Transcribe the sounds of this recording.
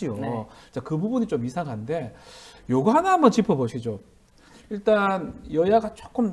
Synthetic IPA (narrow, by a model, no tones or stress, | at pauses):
ijot͡ɕ͈akɯbubunit͡ɕomisʰaŋɦannde̞joɡɯɦanaambʌnt͡ɕipʰʌboɕʰid͡ʑo | iɭt͈anjʌjaɡat͡ɕ͈ok͈ɯm